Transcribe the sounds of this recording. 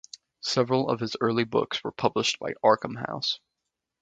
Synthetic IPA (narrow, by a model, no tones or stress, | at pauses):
sɛvɹl̩ˠʌ̰v̥ɨzɜ˞lˠibʊ̰kswə˞pʰʌbləʃtb̥aɪʔɑɹkə̃m̩ɦa̰ʊs